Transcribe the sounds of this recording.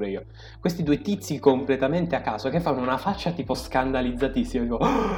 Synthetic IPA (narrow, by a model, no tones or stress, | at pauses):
ɾɛiːo | kwest̪id̪uːet̪it̪sːikomplet̪ament̪eakːaːzokefːanːounafat͡ʃːat̪iːposkand̪alid̪zːat̪isːimod̪iːko